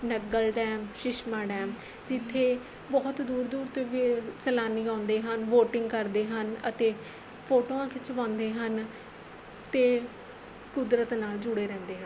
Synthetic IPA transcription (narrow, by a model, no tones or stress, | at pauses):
nəɡəlɖɛ̃ːmʃɪʃmaːɖɛ̃ːm | d͡ʒɪt̪ʰːeː | bɔːt̪d̪uːɾd̪uːɾt̪eːʋit͡ʃəlaːniːãːnd̪eːɦənʋoːʈɪŋɡkəɾd̪eːɦənə̰t̪eː | pʰoːʈoãːkɪt͡ʃʰəʋãːnd̪eːɦən | t̪eː | kʊd̪ɾət̪naːld͡ʒʊɽeːɾɛ̃ːnd̪eːɦən